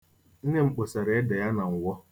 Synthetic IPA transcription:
n̩˦ne˦ŋ͡m̩˨k͡po˨sa˨ɾe˨e˦da˨ja˦na˨ŋ̩˨wʷɔ˦

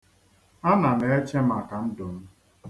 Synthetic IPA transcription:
a˦na˨ne˦e˦t͡ʃe˦ma˨ka˨n̩˦do˨m̩˦

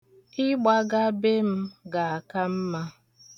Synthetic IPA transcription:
ɪ˦ɡ͡ba˦ɡa˦be˦m̩˦ɡa˨a˨ka˦m̩˦ma˦

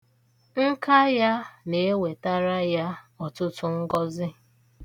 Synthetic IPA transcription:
ŋ̩˦ka˦ja˦ne˨e˦we˨ta˦ɾa˦ja˦ɔ˨tʊ˦tʊ˦ŋ̩˦ɡɔ˦zɪ˦

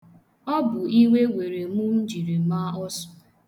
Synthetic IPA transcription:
ɔ˦bʊ˨i˦ŋʷe˦wʷe˨ɾe˨mu˦m̩˦d͡ʒi˨ɾi˨˦ma˦ɔ˦sɔ̥˨

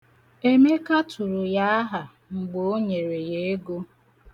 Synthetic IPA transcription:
e˦me˦ka˦tʊ˨ɾʊ˨ja˦ɦa˨ | ŋ͡m̩˨ɡ͡bo˦o˦ɲe˨ɾe˨je˨˦e˦ɡo˦

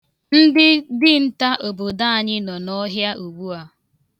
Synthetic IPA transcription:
n̩˦dɪ˦dɪ˦n̩˦ta˦ʔo˨bo˨da˦a˨ɲɪ˦nɔ˨nɔ˦ɦja˦ʔu˨ɡ͡bu˦a˨

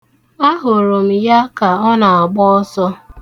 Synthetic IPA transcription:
a˦ɦʊ˨ɾo˨m̩˨ja˦ka˨ɔ˦na˨a˨ɡ͡bɔ˦ɔ˦sɔ˦

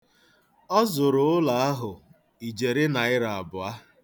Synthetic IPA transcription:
ɔ˦zʊ˨ɾʊ˨ʊ˦la˨a˦ɦʊ˨ | i˨d͡ʒe˨ɾɪ˦na˨ɪ˦ɾa˨a˨bʊ˨a˦

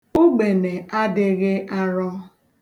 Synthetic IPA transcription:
u˦ɡ͡be˨ne˨a˦dɪ˦ɣɪ˦ʔa˦ɾɔ˦

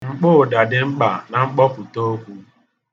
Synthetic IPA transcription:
ŋ͡m̩˨k͡pʊ˦˨da˨dɪ˨ŋ͡m̩˦k͡pa˨na˨ŋ͡m̩˦k͡pɔ˦pʊ˨to˦kʷu˦

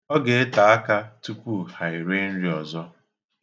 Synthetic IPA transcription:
ɔ˦ɡe˨e˦ta˨a˦ka˦tu˦kʷu˦ha˨ɪ˨ɾe˦n̩˦ɾi˨˦ɔ˨zɔ˦

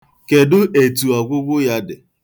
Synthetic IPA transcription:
ke˨dʊ˦ʔe˨tu˨a˨ɡʷʊ˦ɡʷʊ˦ja˦dɪ˨

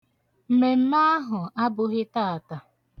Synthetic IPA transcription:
m̩˨me˨m̩˦na˦a˦ɦʊ˨a˦bʊ˦ɦɪ˦taː˦a˨ta˨

